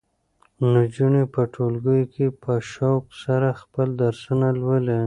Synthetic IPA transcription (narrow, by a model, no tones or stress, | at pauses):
nud͡ʒuɳepəʈʰolɡəjkepəʃawksaɾaxpəld̪aɾsunalwəle